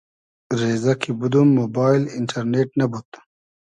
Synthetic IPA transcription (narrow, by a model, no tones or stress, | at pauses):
ɾeːzakʰibud̪umːoːbaːilɪɳʈʰɐɾneʈnɐbut̪